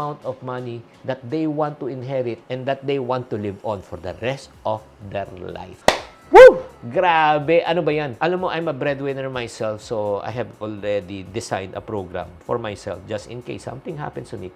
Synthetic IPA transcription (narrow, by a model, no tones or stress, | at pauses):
ãwnt̪ɔvmɐni | d̪ɐt̪̚d̪ejwãnt̪ːuɪ̃nɦɛɹɪt̪̚ɛ̃nd̪ɐt̪̚d̪ejwãnt̪ːulɪvɔ̃nfɔɹd̪ɐɹɛst̪ʔɔfd̪ɛɹla̰jf | wuɡɾabɛʔɐnobɐjanʔɐnomoʔajmɐbɹɛd̪wɪ̃nəɹmajsɛlfsoʔa̰jhɛvɔlɹɛd̪id̪ɪsã̰jnd̪ɐ̰pɹowɡɹã̰mfɔɹmajsɛ̰lfd͡ʒɐst̪ɪ̰̃nkḛjsːɐ̰̃mt̪ɪ̃ŋɦa̰pɛ̃nst̪ʊmi